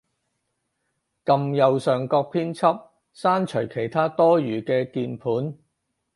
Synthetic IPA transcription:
kɐ˨mjɐ˨wsœː˨˩ŋkɔː˧k̚pʰiː˥nt͡sʰɐ˥p̚ | saː˥nt͡ʃʰɵ˨˩ɥkʰe˨˩jt̪ʰaː˥t̪ɔː˥jyː˨˩kɛː˧kiː˧npʰuː˨˥n

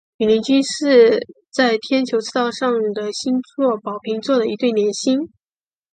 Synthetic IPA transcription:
y˨˩li˧˥ŋt͡ɕy˥nʂɻ̩˥˧ | t͡sa˥˩ɪt̪ʰjɛ˥nt͡ɕʰjo˧˥ʊt͡s̩ʰ˥˩t̪ɑ˥˧ʊʂɑ˥˩ŋd̪ə˩ɕi˥nt͡swɔ˥˩pɑ˨˩ʊpʰi˧˥ŋt͡swɔ˥˩d̪ə˩i˧˥t̪we˥˩ɪnjɛ˧˥nɕi˥n

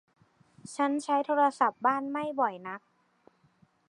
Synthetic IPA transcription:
t͡ɕʰa˦˥nt͡ɕʰa˦˥jt̪ʰoː˧˥ɾa˧sa˨˩p̚baː˥˩nma˥˩jbɔ˨˩jna˦˥k̚

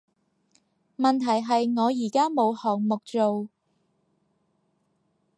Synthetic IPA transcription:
mɐ˨nt̪ʰɐ˨˩jɦɐ˨jŋɔː˨˧jiː˨˩kaː˥mo˨˧whɔː˨˩ŋmʊ˨k̚t͡so˨w

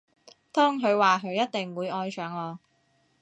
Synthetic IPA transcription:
t̪ɔː˥ŋɦɵ˨˧ɥwaː˨ɦʰɵ˨˧ɥjɐ˥t̚t̪ɪ˨ŋwuː˨˧jɔː˧jsœː˨˥ŋlɔː˨˧

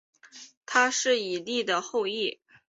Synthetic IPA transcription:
t̪ʰa˥ʂɻ̩˥˩i˨˩li˥˩d̪ə˩xo˥˧ʊi˥˩

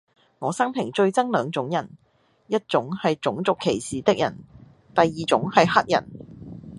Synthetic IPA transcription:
ŋɔː˨˧sɐ˥ŋpʰɪ˨˩ŋt͡ʃɵ˧ɥt͡sɐ˥ŋlœː˨˧ŋt͡sʊ˨˥ŋjɐ˨˩n | jɐ˥t̚t͡sʊ˨˥ŋhɐ˨jt͡ʃʊ˨˥ŋt͡sʊ˨kʰːe˨˩jsiː˨t̪ɪ˥k̚jɐ̰˨˩n | t̪ɐ˨jːiː˨t͡sʊ˨˥ŋhɐ˨jhɐ˥t̚jɐ̰˨˩n

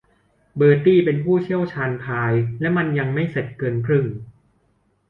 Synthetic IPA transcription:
bɤː˨˩t̪iː˥˩pe˧npʰuː˥˩t͡ɕʰi˥˩əwt͡ɕʰaː˧npʰaː˧jlɛ˦˥ma˧nja˧ŋma˥˩jse˨˩t̪̚kɤː˧nkʰɾɯ˥˩ŋ

